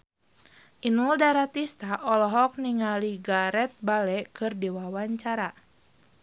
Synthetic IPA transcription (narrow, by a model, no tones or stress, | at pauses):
ʔinuldaɾat̪ist̪aʔɔlɔɦɔk̚niŋaliɡaɾɛt̪̚balɛkɨrdiwawaɲt͡ʃaɾa